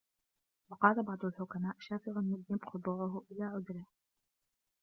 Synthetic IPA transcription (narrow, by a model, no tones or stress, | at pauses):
wɑqɑːlabɑʕd̪ˤʊlħʊkamaːʔʃaːfɪɣanmɪlːɪmbqʊb̪ˤuːʕʊɦʊʔɪlaːʕʊd̪ɾɪh